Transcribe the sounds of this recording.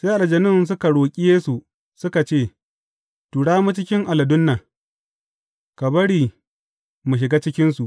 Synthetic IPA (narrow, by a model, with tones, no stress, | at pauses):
se˦ʔa˨ɐ˨d͡ʒɐ˨nɪ˦˨ns̬ʊ˦ka˨ɽoː˨kʲʼɪ˦jeː˦su˨ | sʊ˦ka˨t͡ʃeː˦˨ | tuː˨ɽaː˦mu˦t͡ʃɪ˦kʲɪ˦ŋʔa˨lɐ˨dʊ˦nːa˨ | ka˨bɐ˦ɽiː˨ | mu˨ʃ̬ɪ˨ɡaː˦t͡ʃɪ˦kʲɪ˦nsu˨ʔ